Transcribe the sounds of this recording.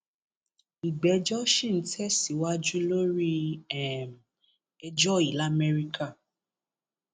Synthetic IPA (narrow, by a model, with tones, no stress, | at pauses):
i˨ɡ͡bɛ˨˦d͡ʒɔ˦ʃi˦˨n̩˦tʰɛ˦si˨wa˦d͡ʒu˦lo˦ɾi˦ɛ˦˨m˨ | ɛ˧d͡ʒɔ˦i˨la˦mɛ˧ɾi˦kʰa˦˨